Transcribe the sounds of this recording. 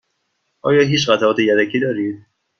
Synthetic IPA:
ʔɒ̰ːjɒːɦiːt͡ʃɣæt̪ʰæɒːt̪ʰejæd̪æcʰiːd̪ɒːɾiːd̪̚

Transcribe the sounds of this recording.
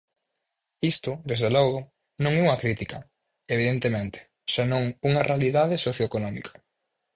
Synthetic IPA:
ist̪ʊd̪ezðelɔɣʊ | nõŋɛuŋɐkɾit̪ikɐ | eβ̞iðent̪emẽnt̪ɪ̥ | senõŋuŋɐrealiðaðesoθjoekonɔmḭkʰɐ̥

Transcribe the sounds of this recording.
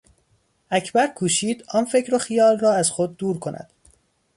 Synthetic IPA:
ʔæcʰbæɾkʰuːʃiːd̪ɒːnfe̞cʰɾoxijɒːlrɒːæz̥xod̪̚ːuːɾkʰo̞nʔæ̰d̪̥

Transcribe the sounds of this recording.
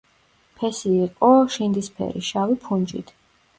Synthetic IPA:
pʰɛsiːqʼɔʃind̪ispʰɛ̰ɾiʃavipʰund͡ʒḭt̪ʰ

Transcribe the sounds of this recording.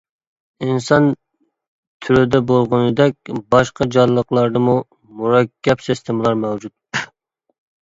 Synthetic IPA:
insɑn | t̪ʰyɾɪd̪ɛbolˠʁʊnɨd̪ɛk̚ʲbɑʃqʰɑd͡ʒɑnlːˠəqlˠɑɾd̪ɨmu | muɾɑkʲʰːɛpsɪst̪ʰemlˠɑɾmɛwd͡ʒut̪̚

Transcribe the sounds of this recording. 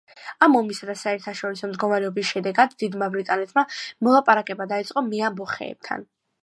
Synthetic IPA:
amɔmisad̪asaɛɾt̪ʰaʃɔɾisɔmd̪ɡɔmaɾɛɔbisʃɛd̪ɛɡad̪ːid̪mabɾit̪ʼanɛt̪ʰmamɔlˠapʼaɾakʼɛbad̪ait̪sʼqʼɔmiabɔχɛ̰ːb̚t̪ʰa̰n

